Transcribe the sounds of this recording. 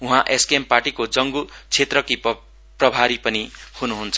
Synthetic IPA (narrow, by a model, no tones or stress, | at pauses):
ũɦãʔeskiemparʈikod͡zʌŋɡut͡sʰet̪rʌkip | prʌbʱaɾipʌnihunuɦunt͡sʰʌ